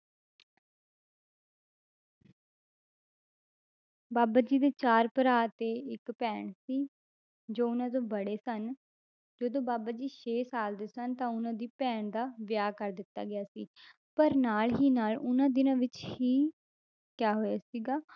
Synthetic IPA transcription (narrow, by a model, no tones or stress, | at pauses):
baːbaːd͡ʒiːd̪eːt͡ʃaːɾpəɾaːt̪eːɪkpɛːɳsiː | d͡ʒoːʊnãːd̪õːbəɽeːsən | d͡ʒəd̪õːbaːbaːd͡ʒiːʃeːsaːld̪eːsənt̪ãːʊnãːd̪iːpɛːɳd̪aːʋjaːkəɾd̪ɪt̪ːa̰ːɡɪjaːsḭː | pəɾnaːlɦiːnaːlʊnãːd̪ɪnãːʋɪt͡ʃhiː | kjaːɦoːjaːsiːɡaː